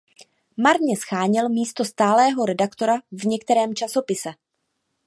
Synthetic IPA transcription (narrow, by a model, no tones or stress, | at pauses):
maɾɲɛsxaːɲɪlmiːst̪o̞st̪aːlɛːɦo̞ɾɛdakt̪o̞ɾavɲɛkt̪ɛɾɛːmt͡ʃaso̞pɪsɛ